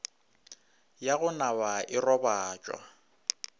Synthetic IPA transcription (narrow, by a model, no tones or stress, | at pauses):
jaɣʊnabaʔɪrɔbaːt͡ʃʼwa̰